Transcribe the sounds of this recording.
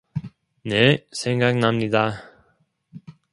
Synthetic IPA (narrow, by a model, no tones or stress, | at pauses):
neseŋɡaknamnid̪a